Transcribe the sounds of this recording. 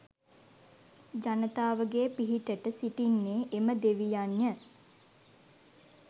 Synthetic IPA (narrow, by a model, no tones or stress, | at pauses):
d͡ʒanət̪aːʋəɡeːpiɦiʈəʈəsiʈinːeːʔeməd̪eʋijaɲjə